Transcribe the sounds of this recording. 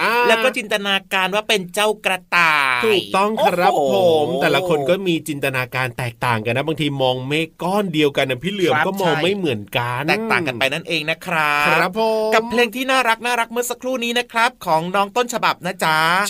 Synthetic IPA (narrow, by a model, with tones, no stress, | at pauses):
ʔaː˧lɛː˦˥wkɔː˥˩t͡ɕi˧nt̪a˧naː˧kaː˧nwaː˥˩pe˧nt͡ɕa˥˩wkɾa˧t̪aː˨˩t̪ʰjk̚t̪ɔ˥˩ŋkʰa˧ɾa˦˥pʰːo˨˩˦mt̪ɛː˨˩la˦kʰo˧nkɔː˥˩miː˧t͡ɕi˧nt̪a˧naː˧kaː˧nt̪ɛː˨˩k̚t̪aː˨˩ŋka˧nːa˦˥baː˧ŋt̪ʰiː˧mɔː˧ŋmeː˥˩kɔː˥˩ndi˧əwka˧nːʔa˧ŋpʰiː˥˩lɯ˩˧əmkɔː˥˩mɔː˧ŋma˥˩jmɯ˩˦ənka˧nɛː˨k̚t̪aː˨ka˧npa˧jna˥˩nʔeː˧ŋna˦˥kʰɾa˦˥˧ɾa˦˥pʰːo˩˦ka˨˩pʰleː˧ŋt̪ʰiː˥˩naː˥˩ɾa˦˥k̚naː˥˩ɾa˦˥k̚mɯ˥˩sa˧kʰɾuː˥˩niː˦˥na˦˥kʰɾa˦˥p̚kʰɔː˩˦ŋnɔː˦˥ŋt̪o˥˩nt͡ɕʰa˧ba˨˩p̚na˦˥t͡ɕa˦˥